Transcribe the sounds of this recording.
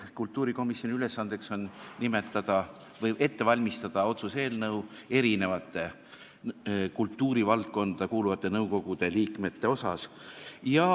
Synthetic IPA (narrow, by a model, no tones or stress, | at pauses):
kult̪ːˑuːɾiko̞misjo̞nʲiyle̞sːɑnd̪̥e̞kso̞nnʲime̞t̪ːˑɑd̪̥ɑ | vɤje̞t̪ːe̞vɑlʲmist̪ɑd̪̥ɑo̞t̪suse̞ːlnɤwe̞ɾine̞vɑt̪ːˑe̞ | kult̪ːˑuːɾivɑlt̪̚ko̞nd̪d̪̥ɑkuːluvɑt̪ˑːe̞nɤwko̞ɡ̥ud̪̥e̞liːkme̞t̪ːe̞o̞sɑ̰sjɑ